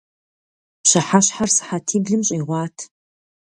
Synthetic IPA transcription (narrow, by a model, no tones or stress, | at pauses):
pɕɐħaɕħarsɨ̥ħatʰiːɡɮɨmɕʼiːʁʷɑːtʰ